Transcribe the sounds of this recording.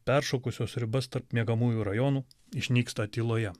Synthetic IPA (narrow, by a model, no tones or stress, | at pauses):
pʲɛˑɾʃoːkʊsʲoːsɾʲɪbɐst̪ɐɾpmʲiɛɡɐmuːjuːɾɐjɔnuː | ɪʃʲnʲiːkst̪ɐt̪ʲiːlˠoːjɛ